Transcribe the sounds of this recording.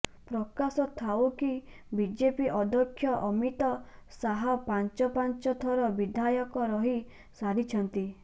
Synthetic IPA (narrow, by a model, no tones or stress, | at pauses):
pɾɔkasɔt̪ʰauki | bid͡ʒepiʔɔd̪ɔkʰːjɔʔɔmit̪ɔsaɦɔpant͡ʃɔpant͡ʃɔt̪ʰɔɾɔbid̪ʱajɔkɔɾɔɦi | saɽit͡ʃʰɔnt̪i